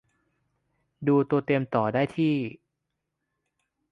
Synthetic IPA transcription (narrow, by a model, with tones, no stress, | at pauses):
duː˧t̪u˧ɐt̪e˧mt̪ɔː˨˩daː˥˩jt̪ʰiː˥˩